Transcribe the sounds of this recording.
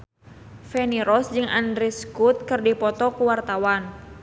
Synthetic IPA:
fɛniɾɔsd͡ʒɨŋandɾɛskut̪̚kɨrdipɔt̪ɔkuwart̪awan

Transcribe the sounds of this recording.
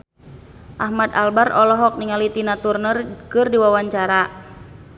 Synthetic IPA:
ʔahmad̪albarɔlɔɦɔk̚niŋalit̪inat̪urnərkɨrdiwawaɲt͡ʃaɾa

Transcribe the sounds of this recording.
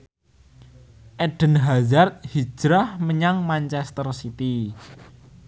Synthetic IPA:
ʔɛɖ̥ə̤nɦazart̪̚hi̥ʒ̥ɾahməɲaŋmaɲt͡ʃɛst̪ərsit̪i

